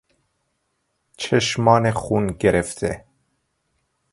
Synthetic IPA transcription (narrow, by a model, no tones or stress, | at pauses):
t͡ʃʰeʃmɒːnexunɡeɾeft̪ʰe